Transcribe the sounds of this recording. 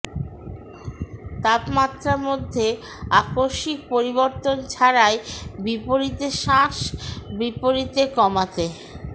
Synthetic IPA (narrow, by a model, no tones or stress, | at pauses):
t̪apmat̪ːɾaɾmod̪ʱːe | akoʃik̚poɾiβoɾt̪ont͡ɕʰaɾaebipoɾit̪eʃãʃbipoɾit̪ekɔmat̪e